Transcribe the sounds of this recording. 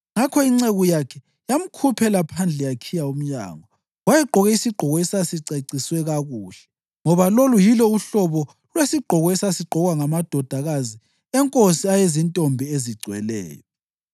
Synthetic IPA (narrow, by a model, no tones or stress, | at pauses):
ŋakʰɔiŋ͡ǀeɣujakʰɛ | jam̩kʰupʰɛlapʰand͡ɮʱɛjakʰijaum̩ɲa̰ːŋɔ | wajɛǃʱɔɣɛisiɡ͡ǃʱɔɣɔɛsasiǀeǀiswɛɣaɣuːɬɛ̥ | ŋɔβalolujilɔuɬɔβɔ | lwesiɡ͡ǃʱɔɣɔesasiɡ͡ǃʱɔɣwaŋamad̥ʱɔd̥ʱaɣazi | ɛŋkʼosiajezintʼombʱieziɡ͡ǀʱwɛ̰lɛ̰ːjɔ